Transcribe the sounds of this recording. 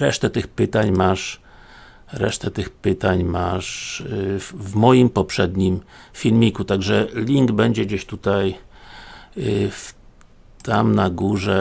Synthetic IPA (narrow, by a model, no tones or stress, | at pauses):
ɾɛʂt̪ɛt̪ɘxpɘt̪aɲmaʂ | ɾɛ̰ʂt̪ɛt̪ɘxpɘt̪aɲmaʂ | vmɔjimpɔpʂɛd̪ɲimfʲilmʲikut̪aɡʐɛlʲiŋɡbɛɲd͡ʑɛɡd͡ʑeɕt̪ut̪aj | f | t̪amnaɡuʐɛ